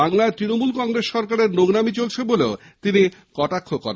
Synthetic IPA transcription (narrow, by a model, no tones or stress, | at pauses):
aŋlaet̪ɾinomulkɔŋɾesʃɔɾkaɾeɾnoɡnamit͡ɕolt͡ɕʰeboleo | t̪inikɔʈakʰːokɔɾ